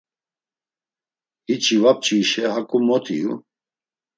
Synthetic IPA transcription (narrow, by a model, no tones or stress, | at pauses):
hit͡ʃʰivap̚t͡ʃʼiʃɛhakʼumɔt̪ʰijṵ